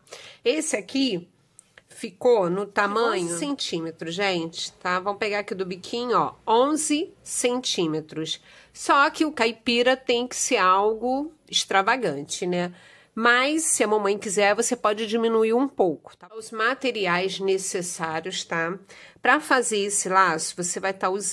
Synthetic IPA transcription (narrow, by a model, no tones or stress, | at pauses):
esɪaki | fikonʊt̪amɐ̃ɲʊsẽnt͡ʃĩmet̪ɾʊʒẽt͡ʃɪ̥t̪avɐ̃w̃peɡaɾakid̪ʊbikʰĩɲʊɔõzɪsẽt͡ʃĩmet̪ɾʊs | sɔkɪʊkajpiɾɐt̪ẽj̃kɪ̥seɾaawɡʊ | ɪʃt̪ɾavaɡɐ̃t͡ʃɪnɛ | mɐjsːɪɐmɐ̃mɐ̃j̃kizɛɾvosepɔd͡ʒɪd͡ʒimĩnuiɾũpowkʊ̥t̪aʊzmat̪eɾiajznesesaɾjʊst̪apɾɐfazeɾesɪlasʊvosevajt̪aʊz